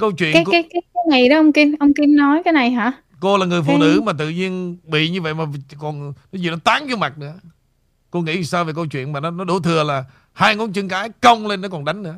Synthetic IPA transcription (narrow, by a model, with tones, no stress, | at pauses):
kə˧wt͡ɕwḭ˧˨ən˦aː˨˦kaː˨˦jko˨˦ŋḭ˧˩ɗɔ˨˦ə˧wŋ͡mki˧mʔə˧wŋ͡mki˧mnɔ˨˦jkaː˨˦jna˨˩jɦaː˧˥ | ko˧laː˨˩ŋɨ˨˩əjfṵ˧˨nɨ̰˧˥maː˨˩t̪ɨ̰˧˨ɲi˧ənɓḭ˧˨ɲɨ˧və̰˧˨jmaː˨˩kɔ˨˩nnɔ˨˦zi˨˩nɔ˨˦t̪aː˨˦ŋt͡ɕɔ˧ma˨˩t̚nɨ̰˧˥ə | ko˧ŋḭ˧˥˨saː˧wve˨˩kə˧wt͡ɕwḭ˧˨ənmaː˨˩nɔ˨˦nɔ˨˦ɗo˧˩t̪ʰɨ˨˩əlaː˨˩ | haː˧jŋɔ˨˦nt͡ɕɨ˧ŋkaː˨˦jkə˧wŋ͡mle˧nːɔ˨˦kɔ˨˩nɗa˨˦jŋ̟nɨ̰˧˥ə